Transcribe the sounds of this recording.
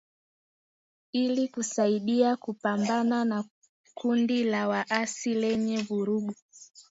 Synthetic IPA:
ilikusaiɗiakupambanana | kʰundilawaʔasilɛɲɛvuɾuɡu

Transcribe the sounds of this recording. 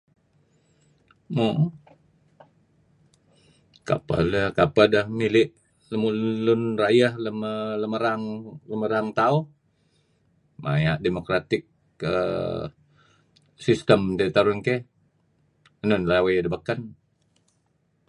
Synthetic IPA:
mo | ka̰pa̰ləkapadəhmilɪʔ | ləmulʊnrajahləmələməɾaŋləməɾaŋt̪au | ma̰jaʔdemokɾat̪ɪk̚ | ə̰ | sist̪əmdet̪aɾʊnke | ənənlawajadəbakan

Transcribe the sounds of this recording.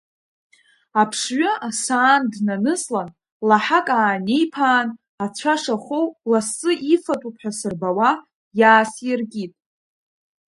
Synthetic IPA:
apʰʂɥʷʊasaːndnanɨslan | laħakʼaːne̞jpʰaːn | at͡ɕʷʰaʂaχʷowlasɨʔifatʼupʰħᶣasɨrbawa | jaːsjɪrkʲʼitʼ

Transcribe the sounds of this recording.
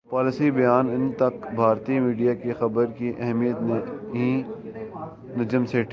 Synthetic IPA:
paːlɪsibɐjaːnɪnt̪ɐkbʱaːɾt̪imiːɖijakexɐbəɾkiʔɛɦmijət̪neɦĩ | nɐd͡ʒəmseːʈ

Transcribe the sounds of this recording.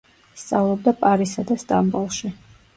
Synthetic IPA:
st̪sʼavlˠɔb̚d̪apʼaɾisad̪ast̪ʼambulˠʃi

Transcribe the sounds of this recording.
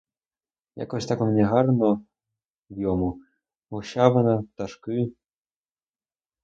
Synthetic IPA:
ja̰kɔsʲt̪akɔmnʲɛɦarnɔ | wjɔmu | ɔɕavɐnɐt̪aʂkɨ

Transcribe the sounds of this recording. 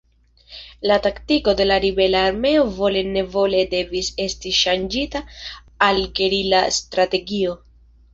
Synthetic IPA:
lataktiko̞de̞laɾibe̞laːɾme̞o̞vo̞le̞ne̞vo̞le̞de̞vise̞stiʃand͡ʒita | alkeɾilastɾate̞ɡio̞

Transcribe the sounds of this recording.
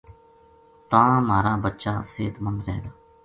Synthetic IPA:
t̪ãːmaːɾaːbətːʃãːseːt̪mənd̪ɾɛːɡ̪aː

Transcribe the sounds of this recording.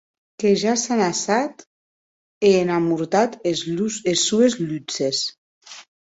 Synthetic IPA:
keʒasanasat̪ | eːnamuɾt̪at̪euesːuezlyt͡ses

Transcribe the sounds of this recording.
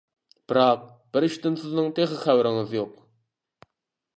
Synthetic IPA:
b̥ɨɾɑq̚ | b̥ɪɾiʃt̪ɪnsɪznɨŋt̪ʰeχɪχæwɾɪŋɪzjoq̚

